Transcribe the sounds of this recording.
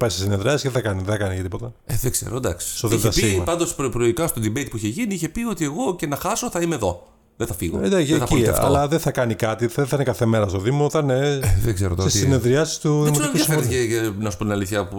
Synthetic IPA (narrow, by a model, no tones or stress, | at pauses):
pɐjsesineðɾiɐsiseðeθɐkɐniðeθɐkɐnicɐt̪ipo̞t̪ɐ | eðeɡ̥z̥ḛɾod̪ɐksi̥st̪oðiðɐsimɐpɐnd̪ospɾpɾoikɐst̪od̪ibejt̪̚puiçeʝiniiçe̞pio̞t̪ieɣo̞ce̞nɐxɐso̞θɐimeðo̞ | ðeθɐfiɣo̰d̪ɐɐieɐfɐo̰lɐðeθɐkɐnikɐt̪ieθɐinekɐθemeɾɐst̪oðimoθɐneeðeɡseɾot̪sessineðɾiɐsi̥st̪uðimot̪ikuɐeɾieɐnɐspunt̪inɐliθçɐpu